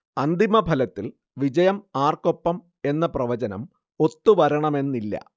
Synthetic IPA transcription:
ɐnd̪imɐbʱɐlɐt̪ːil | ʋid͡ʑɐjɐmaːrko̞pːɐm | e̞nːɐprɐʋɐt͡ɕɐnɐ̰m | o̞t̪ːuʋɐɾɐɳɐme̞nːilːɐ̰

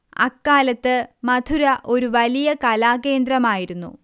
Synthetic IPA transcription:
ɐ̰kːaːlɐt̪ːɨmɐd̪ʱuɾɐʔo̞ɾuʋɐlijɐkɐlaːke̞ːnd̪rɐmaːjiɾunːṵ

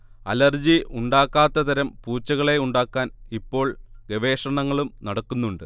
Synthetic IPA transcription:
ɐ̰lɐrd͡ʑiuɳɖaːkːaːt̪ːɐt̪ɐɾɐmpuːt͡ɕːɐɣɐɭe̞uɳɖaːkːaːnipːo̞ːɭɡeʋe̞ːʂɐɳɐŋːɐɭumnɐɽɐkːunːuɳɖɨ

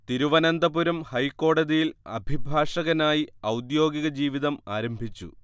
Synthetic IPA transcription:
t̪iɾuʋɐnɐnd̪ɐpuɾɐmhɐjkːo̞ːɽɐðijilɐ̰bʱibʱaːʂɐɣɐnaːjiɐwd̪jo̞ːɡiɣɐd͡ʑiːʋiðɐmaːɾɐmbʱit͡ɕːṵ

